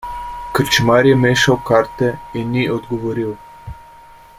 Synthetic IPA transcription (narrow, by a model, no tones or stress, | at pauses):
kət͡ʃmaɾjɛmeːʃawkaɾt̪ɛinːiɔd̪ɡɔʋoɾiw